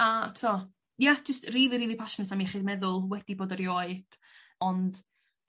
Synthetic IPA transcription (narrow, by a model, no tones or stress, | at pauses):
atʰɔ | jad͡ʒəstriːlˠiɾiːlˠipʰaʃnətʰamiχiːd̚mɛðʊlˠwɛd̥iboːdəɾjoːɨd̥ | ɔnd̥